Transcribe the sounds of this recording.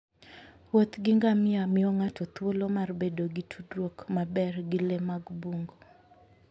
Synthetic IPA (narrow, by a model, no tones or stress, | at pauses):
wot̪ɡɪŋɡamɪamɪɔŋatʰot̪wolomarbedoɡitʰudɾwokmabɛrɡɪlemaɡbuŋɡo